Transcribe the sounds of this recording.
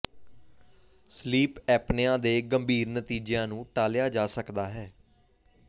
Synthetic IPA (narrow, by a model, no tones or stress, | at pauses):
sliːpɛːpnejãːd̪eːɡəmbʱiːɾnət̪iːd͡ʒejãːnũːʈaːljaːd͡ʒaːsəkd̪aːɦɛː